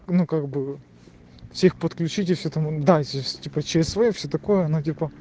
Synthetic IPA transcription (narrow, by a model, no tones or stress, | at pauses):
nukaɡbɨ | fsʲexpət̪klʲʉt͡ɕitʲɪfsʲɵt̪ɐmud̪asʲsʲtʲipət͡ɕɪɾʲɪsvɐjifsʲɵt̪ɐko̞jəɐnotʲipə